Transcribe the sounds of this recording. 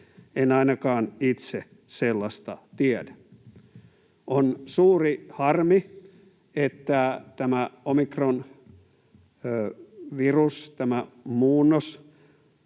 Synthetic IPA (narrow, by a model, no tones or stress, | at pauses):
enɑinɑkɑːnit̪se | selːɑst̪ɑ̰t̪iædæ̥ | onsuːrihɑrmi | et̪ːæt̪æmæomikron | ʋirust̪æmæmuːnːos